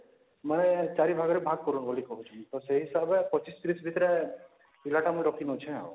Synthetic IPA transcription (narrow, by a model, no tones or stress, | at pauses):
manet͡ʃaɾibʱaɡɔɾebʱaɡ̚kɔɾunbɔlikɔɦut͡ʃʰũt̪ɔseɦisabepɔt͡ʃiskɾisbʱit̪ɾe | ilaʈamuiɾɔkinɔt͡ʃʰɛ̃a̰